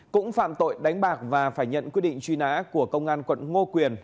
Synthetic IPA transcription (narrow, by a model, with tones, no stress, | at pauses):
kʊ̰˧˥ŋ͡mfa̰ː˧˨mt̪o̰˧˨jɗa˨˦jŋ̟ɓaː˨˩k̚vaː˨˩faː˧˩jɲə̰˧˨nkwi˦˥ət̚ɗḭ˧˨ŋ̟t͡ɕwi˧na̰ː˧˥ku˧˩əkə˧wŋ͡mʔaː˧nkwə̰˧˨nŋo˧kwi˨˩ən